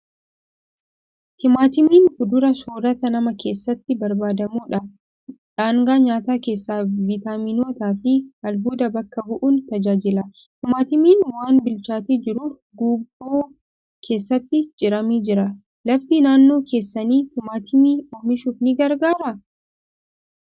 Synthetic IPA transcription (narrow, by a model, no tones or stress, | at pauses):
t̪ʰɪmaːt̪ɪmiːnfʊd̪ʊɾɐsoːɾɐt̪ɐnɐmɐke̞ːsːɐt̪ːɪbɐɾbaːd̪ɐmuːᶑɐ | ᶑaːŋɡaːɲaːt̪aːke̞ːsːaːvɪt̪aːminoːt̪aːfɪɐlbuːd̪ɐbɐkːɐbʊʔuːnt̪ɐd͡ʒaːd͡ʒɪlɐ | t̪ɪmaːt̪ɪmiːnwaːnbɪlt͡ʃaːt̪eːd͡ʒɪɾʊːf | ɡuːboː | kʰe̞ːsːɐt̪ːɪd͡ʒɪɾɐmiːd͡ʒɪɾɐ | lɐft̪iːnaːnːo̞ːke̞ːsːɐniːt̪ɪmaːt̪ɪmiːoːmɪʃuːfnɪɡɐɾɡaːɾɐ